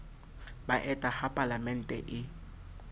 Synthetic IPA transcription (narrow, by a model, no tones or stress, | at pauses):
baʔɛtʼahapʼalamɛn̩tʼɛ̰ʔɪ